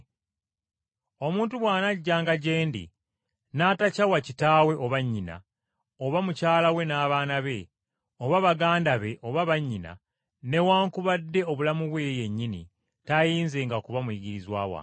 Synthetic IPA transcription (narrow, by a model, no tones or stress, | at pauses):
o̞muːntuβwaːnaɟːaːŋɡaɟe̞ːndḭ | naːtacawacitaːwe̞ʔo̞βaɲːina̰ | oβamucaːlawe̞naːβaːnaβe̞ | o̞βaβaɡaːndaβe̞ʔo̞βaβaɲːina̰ | ne̞waːŋkuβadːe̞o̞βulamuβwe̞je̞ɲːinḭ | tajiːnze̞ːŋɡakuβamujiɡiɾizwa̰ːwa̰ː